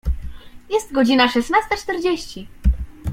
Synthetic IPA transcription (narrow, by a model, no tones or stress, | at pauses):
jɛst̪ɡɔd͡ʑinaʂɛsnast̪at͡ʂt̪ɛɾd͡ʑeɕt͡ɕi